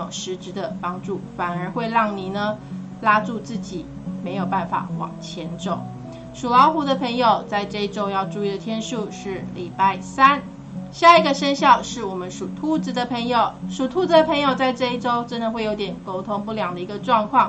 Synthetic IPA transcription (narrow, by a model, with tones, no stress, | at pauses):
ʊ˨˩ŋʂɻ̩˧˥ʈ͡ʂɻ̩˧˥d̪ə˨pɑ˥ŋʈ͡ʂu˥˩fa˨˩nə˞˧˥xwe˥˧ɪɻɑ˥˩ŋni˨˩nə˦ | la˥ʈ͡ʂu˥˧t͡sɹ̩˥˩t͡ɕi˨˩ | me˧˥ɪjo˨˩ʊpa˥˩nfa̰˨˩xwɑ̰˨˩ŋt͡ɕʰjɛ˧˥nʈ͡ʂo˨˩˦ʊ | ʂu˨˩lɑ˧˥ʊxu˧˥d̪ə˧pʰə˧˥ŋjo˨˩ʊt͡sa˥˧ɪʈ͡ʂɤ˥˧i˥˩ʈ͡ʂo˥ʊjɑ˥˧ʊʈ͡ʂu˥˧i˥˩d̪ə˩t̪ʰjɛ˥nʂu˥˧ʂɻ̩˥˩li˨˩pa˥˩ɪsa˥n | ɕja˥˩i˧˥ɡə˨ʂə˥nɕjɑ˥˧ʊʂɻ̩˥˩wɔ˨˩mə˦nʂu˨˩t̪ʰu˥t͡s̩˧˩d̪ə˨pʰŋjo˨ʊʂu˨˩t̪ʰu˥t͡s̩˧d̪ə˧pʰə˧˥ŋjo˨˩ʊt͡sa˥˧ɪʈ͡ʂɤ˥˧i˥˩ʈ͡ʂo˥ʊʈ͡ʂə˥nd̪ə˨˧xwe˥˩ɪjo˧˥t̪jɛ˨˩nko˥ʊt̪ʰʊ˥ŋpu˥˩ljɑ˨˩ŋd̪ə˩i˧˥ɡə˧ʈ͡ʂwɑ˥˧ŋkʰwɑ˥˩ŋ